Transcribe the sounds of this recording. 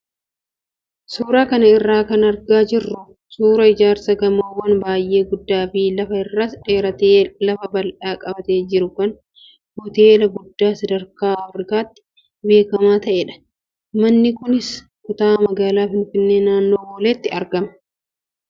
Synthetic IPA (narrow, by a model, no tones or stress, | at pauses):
suːɾaːkɐnɐɪrːaːkɐnɐɾɡaːd͡ʒɪrːʊ | suːɾɐɪd͡ʒaːɾsɐɡɐmoːwɐnbaːjʔe̞ːɡʊd̪ːaːfɪlɐfɐɪrːɐsᶑe̞ːɾɐt̪eːlɐfɐbɐlᶑaːkʼɐbɐt̪e̞ːd͡ʒɪɾʊkɐn | hʊt̪e̞ːlɐɡʊd̪ːaːsɐd̪ɐɾkaːɐfɾɪkaːt̪ːɪ̥ | be̞ːkɐmaːt̪ɐʔeːᶑɐ̥ | mɐnːɪkʊnɪs | kʊt̪aːmɐɡaːlaːfɪnfɪnːe̞ːnaːnːo̞ːboːleːt̪ːɪɐɾɡɐmɐ̥